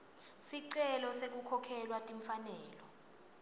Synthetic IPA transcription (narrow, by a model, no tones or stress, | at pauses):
siǀɛlɔsek̬ukʰɔkʰɛlwatʼiɱfanɛːlɔ